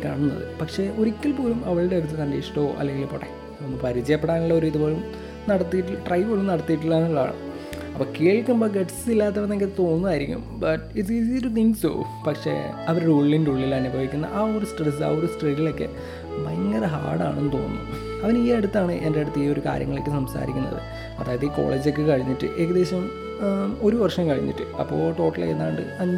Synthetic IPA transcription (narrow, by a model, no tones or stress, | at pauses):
ka̰ːɳɐunːɐ̰ðɨ̰pɐkʂe̞ʔoɾikʲːɐlpoːlumɐʋɐɭɽeɐɽut̪ːɨt̪ɐndeiʂʈoːʔɐ̰lːeŋɡilpɐɽḛː | ɐmːɨpɐɾit͡ɕɐjɐpːeɽaːnuɭːɐoɾiðuɨpo̞ːlum | nɐɽɐt̪ːijʈːilʈrɐjpoːɭumnɐɽɐt̪ːiːiʈːilːaːnuɭːa̰ːɳɨ̰ | ɐpːoːkeːɭkːumbo̞ːɡe̞ʈsilːaːt̪̬ːɐʋɐneŋɡit̪o̞ːnːɨðaːjiɾikʲːṵmbɐʈiʈsiːsioɾut̪iŋɡso̰ | pɐkʂe̞̰ɐʋɐɾɾuːɭːinruːɭːilɐnubʱɐʋikʲːunːɐ̰ʔaːoɾusʈɐɽis̬a̰ːoɾusʈreɾijilo̞kːe̞̰ | bɐjŋɡɐrɦa̰ːɽa̰ːɳenːɨt̪o̞̰ːnːu | ɐʋiniːɐɽut̪ːaːɳɨʔendeːɽut̪ːijɐoɾuka̰ːɾjɐ̰ŋːɐɭe̞̰ːkːɨsɐmsa̰ːɾikʲːunːɐ̰ðɨ̰ | ɐðaːjɐðiko̞̰ːɭeːd͡ʑokʲːɨkɐɻiɲːiʈːɨ̰ʔeɣɐd̪e̞ːɕɐm | o̞ɾuʋɐrʂɐmkɐɻḭɲːḭʈːɨɐ̰pːo̞ːʈo̞ːʈːɐlɐ̰ːnaːjɳɖɨ̰ɐ